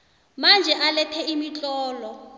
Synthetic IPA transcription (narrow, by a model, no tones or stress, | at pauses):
mand͡ʒʱɛʔalɛtʰɛimit͡ɬʼɔːlɔ